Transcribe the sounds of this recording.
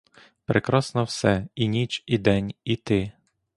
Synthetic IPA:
pɾʔekɾɔsnɔwsɛinʲit͡ʃid̪ɛnʲit̪ɪ

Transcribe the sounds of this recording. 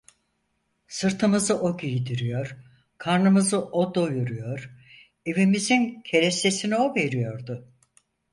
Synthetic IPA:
sɯɾt̪ʰɯmɯzɯʔoɟijid̪iɾyjoɾ̥ | kʰaɾnɯmɯzɯʔod̪ojuɾujoɾ | evimizincʰe̞ɾese̞sinio̞ve̞ɾijo̞ɾd̪ʊ

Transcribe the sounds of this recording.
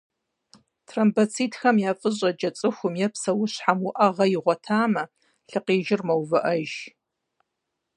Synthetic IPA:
tʰrɐmbɐt͡sʰiːtxɐmjaːfʼɨʑʷʼɐd͡ʒɐt͡sʼɨxʷʊmjɛpsɐwʊɕħamwʊʔɐʁɐjɪʁʷɔtʰaːmɐ | ɬɨqeːʒɪrmɐwvɨʔɐʒ

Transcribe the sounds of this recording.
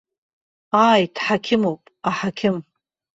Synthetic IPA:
aːjdħakʲʰɪmowpʼaħakʲʰɪm

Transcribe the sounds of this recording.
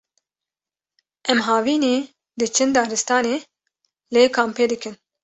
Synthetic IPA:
ʔɛmɦɑːviːneː | d̪ɨt͡ʃʰɨnd̪ɑːɾɨst̪ɑːneː | leːkʰaːmpeːd̪ɨkɨn

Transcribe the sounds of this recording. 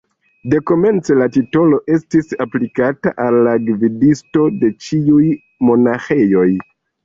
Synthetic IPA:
de̞ko̞me̞nt͡se̞latito̞lo̞ʔe̞stisaplikata̰ʔalːaɡvidisto̞de̞t͡ʃiuj | mo̞naxe̞jo̞j

